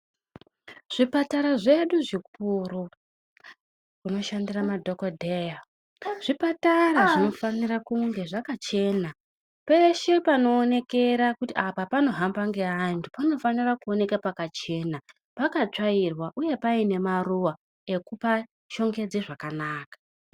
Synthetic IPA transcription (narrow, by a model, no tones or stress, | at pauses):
ʐ̥ipataɾaʐe̞ɗuʐik̚uru | kuno̞ʃandiramadʱokodʱeja | ʐ̥ipataɾaʐino̞fanirakuŋɡe̞ʐakat͡ʃe̞ːna | pe̞ʃe̞pano̞ːne̞ke̞ɾakutiapapano̞ɦambaŋɡe̞antʰupano̞fanirakuo̞ne̞kapakat͡ʃe̞na | pakat͡ʂairwaʔuje̞paine̞maruwa | e̞kupa | ʃo̞ŋɡe̞d͡zeʐakanaːkḁ